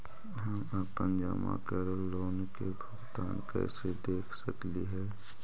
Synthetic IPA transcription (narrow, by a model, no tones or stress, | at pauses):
ɦəmapə̃ɲd͡ʒa̰ːma̰kɛːɾəlːoːnkebʱʊɡt̪aːnkɛ̰ːsed̪eːkʰsəkliɦɛː